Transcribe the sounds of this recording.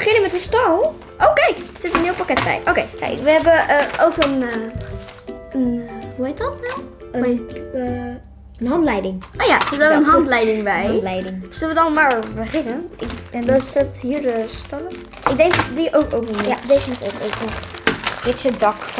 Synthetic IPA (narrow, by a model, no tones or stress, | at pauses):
bəχɪnəmɛtəstɔlˠ | ʔowkɛjkəsɪtənɪəlˠpakɛt̚bɛ̰jʔowkejkɛ̰ɪkʋəɦɛbəʔəʔowkən | ənɦuhejt̚dɔtnaw | əm | ənɦɑntlɛjdɪŋʔoːjasɪdɔənɦɑntlɛjdɪŋbɛjlɛjdɪŋsɪlˠʋədɔnmaɹbəχɪnəʔɪɛndɔsɪthiːədəstɔlə | ɪɡ̚dɛŋkdiʔowkowpənejadeːzəmutowkowkə | dɪtsodɑk